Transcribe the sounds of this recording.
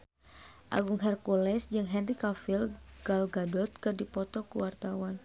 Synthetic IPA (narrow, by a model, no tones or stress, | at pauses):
ʔa̰ɡuŋɦɛrkulɛsd͡ʒɨŋɦɛnrikafilɡ̥alɡadɔt̪̚kɨrdipɔt̪ɔkuwart̪awan